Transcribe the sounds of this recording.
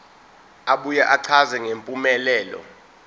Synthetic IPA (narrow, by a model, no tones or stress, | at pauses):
aɓujaʔaǀʰazɛŋempʼumɛlɛːlɔ̰